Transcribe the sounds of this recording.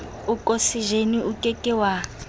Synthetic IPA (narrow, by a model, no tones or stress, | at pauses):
ukʼosiʒeniukʼɛkʼɛwa